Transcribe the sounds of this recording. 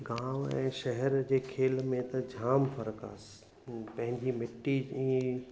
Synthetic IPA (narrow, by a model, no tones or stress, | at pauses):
ɡãːʋɛ̰̃ːʃɐɦɛɾd͡ʑeːkʰeːlmẽt̪ɐd͡ʑʱaːmfʰɐɾəka̰ːs | pɐ̃ɦɪ̃ɲd͡ʑimɪʈːiĩ